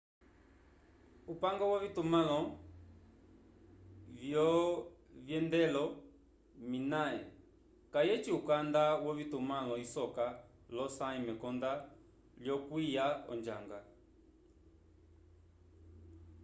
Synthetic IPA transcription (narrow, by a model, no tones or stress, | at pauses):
upaŋɡɔwɔvitumalɔ | vjɔvjɛndɛlɔ | minaɛ̰ | kajɛt͡ʃiukandawɔvitumalɔisɔka | lɔsaimɛkɔnda | ljɔkwijaɔ̰nd͡ʒaŋɡa